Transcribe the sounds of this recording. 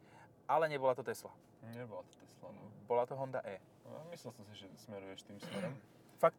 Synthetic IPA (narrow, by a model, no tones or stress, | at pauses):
alɛɲɛbɔlat̪ɔt̪ɛsla | ɲɛbɔlat̪ɔ̥t̪ɛslanɔbɔlat̪ɔɦɔnd̪a̰ʔɛː | amislɛlsɔmsiʒɛsmɛɾujɛʃt̪iːmsmɛɾɔm | fak̚t̪